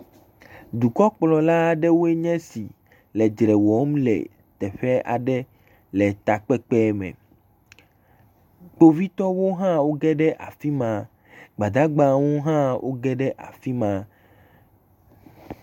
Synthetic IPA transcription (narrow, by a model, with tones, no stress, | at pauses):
d̪u˨kɔ˦k͡plɔ˨la˦ɖɛ˦wo˦e˦ɲɛ̃˦si˨ | lɛ˨d͡ʒɾɛ˨wɔ˨˦mlɛ̰˨ | t̪ɛ˨ɸɛ˦a̰˨ɖɛ˦ | lɛ˨t̪a˨k͡pɛ˦k͡pɛ˦mɛ̰̃˨ | k͡po˦vi˦t̪ɔ˦wo˦ɦã˦wo˦ɡɛ˦ɖɛ˦ʔa̰˨fi˦mã˨ | ɡ͡ba˨d̪a˦ɡ͡bã˦wo˦ɦã˦wʔo̰˦ɡɛ˦ɖɛ˦ʔa̰˨fi˦mã˨